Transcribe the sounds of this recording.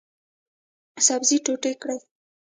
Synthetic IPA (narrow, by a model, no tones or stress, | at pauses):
sabziʈoʈekɽəl